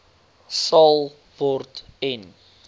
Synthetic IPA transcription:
sɐlˠ | vɔrtɛn

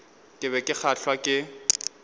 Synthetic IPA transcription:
kʼɪβɛkʼɪk͡xʰaɬwakʼɪ

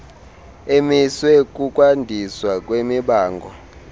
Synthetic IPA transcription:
emiswɛk̬ʼukʼwandʱiswak̬ʼwemiɓaːŋɡʱɔ

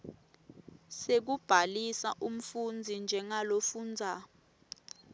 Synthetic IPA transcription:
sek̬ub̥ʱalisa̰ʔum̩fund͡zʱind͡ʒʱɛŋalofuːnd͡zʱa

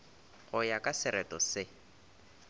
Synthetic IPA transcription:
ɣʊjakʼasɪɾʔɛtʼɔsɪ

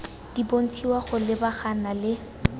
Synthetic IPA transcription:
d̥ibon̩t͡sʰiwaχʊlɪbaχanalɪ

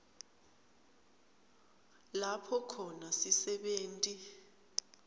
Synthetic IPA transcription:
lapʰɔkʰɔnasisɛɓeːntʼi

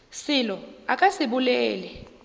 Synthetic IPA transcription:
sɪlɔakʼasiɓulɛːlɛ

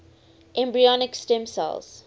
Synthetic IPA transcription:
ʔɛ̃mbɹiɔnɪkstɛ̃msa̰lz̥

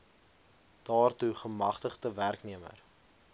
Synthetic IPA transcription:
d̥ɑːrtuχəmɐχtəχtəværkniəmə̰r

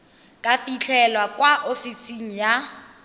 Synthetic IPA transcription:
kʼafit͡ɬʰɛlwakʼwaʔofisiŋ̩ja

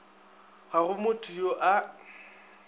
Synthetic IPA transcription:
ɣaɣʊmʊtʰʼujoʔa

